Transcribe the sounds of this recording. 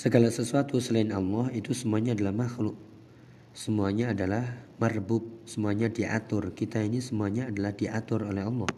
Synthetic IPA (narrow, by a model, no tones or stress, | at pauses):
səɡalasəsuat̪usəlaɪnɑlːɔhit̪usəmuaɲaːdalahmaxlʊʔ̚ | səmuaɲaːdalahmarbʊp̚səmuaɲadiʔa̰t̪ʊrkit̪ainisəmuaɲaːdalahdiʔat̪ʊrolɛɦɑlːɔh